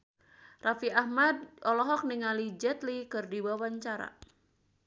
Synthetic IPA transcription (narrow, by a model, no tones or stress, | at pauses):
rafiahmad̚ʔɔlɔɦɔk̚niŋalid͡ʒɛt̪likɨrdiwawaɲt͡ʃaɾa̰